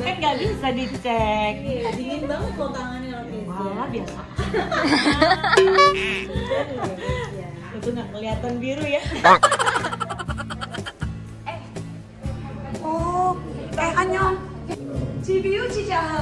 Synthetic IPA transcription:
aŋɡaʔbisadit͡ʃɛk̚adiŋinbaŋət̪̚bot̪aŋanilabialabiasa | at̪uŋɡakəliat̪anbiɾuja | ɛh | ɔ | ɛaɲɔ | t͡ʃibiut͡ʃit͡ʃa

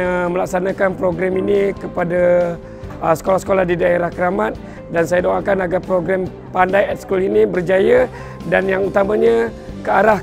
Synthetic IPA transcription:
əməlak̚sanakanpɾoɡɾɛminikəpada | əsə̥kolahsə̥kolahdidaeɾahkəɾamat̪̚ | dansajadoaŋkanaɡapɾoɡɾɛm | pandajɛt̪̚skulinibərd͡ʒaja | danjaŋut̪amãɲã | kəaɾah

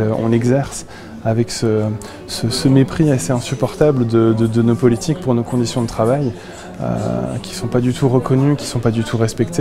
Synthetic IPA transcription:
ɔ̰̃lɛɡzɛʁs | avɛksə | səsəmepχiaseɛ̃sypɔʁt̪abləd̪əd̪əd̪ənopɔlit̪ʰik̚puʁnokɔ̃d̪isjɔ̃d̪ət̪χavaj | ø̰kʲi̥sɔ̃pad̪yt̪ʰuʁəkɔnykʲi̥sɔ̃pad̪yt̪ʰuʁɛspɛkt̪ʰe

